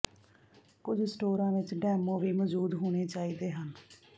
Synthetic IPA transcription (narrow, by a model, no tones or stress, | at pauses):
kʊd͡ʒsʈoːɾãːʋɪt͡ʃɖɛːmõːʋiːməd͡ʒuːd̪ɦoːɽ̃eːt͡ʃaːiːd̪eːɦən